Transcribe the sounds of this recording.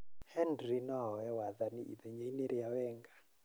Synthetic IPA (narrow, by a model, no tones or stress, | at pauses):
hɛndrinaɦɔɛwaðaniʔḭðɛɲɛinɛɾijawɛːŋɡa